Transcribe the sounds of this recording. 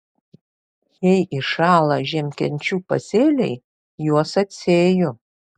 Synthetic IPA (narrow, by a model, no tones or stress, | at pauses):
jɛjʔɪʃɑːlˠɐʒʲɛmʲkʲɛnʲt͡ʃʲuːpɐ̰sʲeːlʲɛɪ | juɔsɐt̪ʲsʲeːjʊ